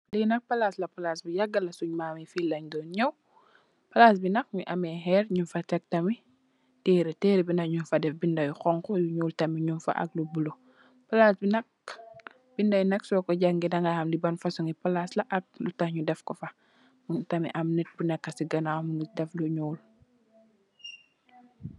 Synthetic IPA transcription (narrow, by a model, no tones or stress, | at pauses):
linɐk̚pɐlaslɐpɐlasbijɐɡɐlɐsuɲmamɛfilɐɲdɔːnɲɛw | pɐlaːs̬binɐkɲuʔɐmɛɦɛːɾɲumfɐtɛk̚tɐmi | teːɾiteːɾibinɐɲumfɐdɛfbindɐjuxɔŋkɔjuɲuːltɐmiɲumfɐ̰ʔɐ̰k̚lubulo | pɐlasbinɐk̚ | b̥indɐjnɐksɔːkɔɟaŋɡidɐŋɡahɐmdibɐnfɐsuŋipɐlaslɐʔɐk̚lutɐxɲudɛfkɔfɐ | mutɐmḭʔɐmnɛt̚bunɛkːɐsiɡɐnawmunidɛfluɲuːl